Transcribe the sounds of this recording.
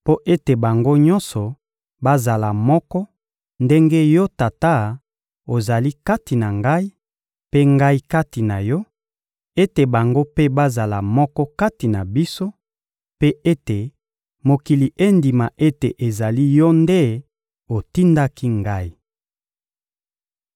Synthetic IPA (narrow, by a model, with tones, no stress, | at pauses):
po˦ʔe˦te˨ba˨ŋɡo˦ɲɔ̃˦nsɔ˨ | ba˦za˨la˨mɔ˦kɔ˦ | nde˦ŋɡe˦jɔ˦ta˨ta˦˨ | o˨za˨li˦ka˦ti˨na˨ŋɡa˦i˦ | pe˦ŋɡa˦i˦ka˦ti˨na˨jɔ˦ | e˦te˨ba˨ŋɡo˦pe˦ba˦za˨la˨mɔ˦kɔ˦ka˦ti˨na˨bi˦so˦ | pe˦e˦te˨ | mo˨ki˨li˨ʔe˦ndi˨ma˨ʔe˦te˨ʔe˨za˨li˦jɔ˦nde˦ | o˨ti˦nda˦ki˦ŋɡa˦i˦